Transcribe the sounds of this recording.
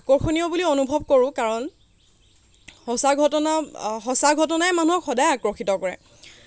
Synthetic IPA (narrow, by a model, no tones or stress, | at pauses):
kɔɹxʰoniɔbulionubʱɔb̚koɹʊ̃kaɹɔn | hɔsaɡʱɔtɔnaxɔsaɡʱɔtɔnajɛmanuɦɔkxɔdajakɹɔxitɔkɔɹɛ̰